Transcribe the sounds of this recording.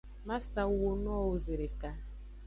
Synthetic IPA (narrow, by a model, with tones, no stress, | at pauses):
ma˦sa˨˦wo˦n˦ɔ˦o˨ze˨ɾe˨ka˨